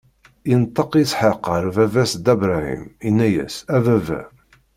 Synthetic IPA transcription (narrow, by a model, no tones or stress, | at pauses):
int̪ˤːɑqsħeqːɑɾvævæsd̪æbɾæhḭminːæjæ̰sævævæ̰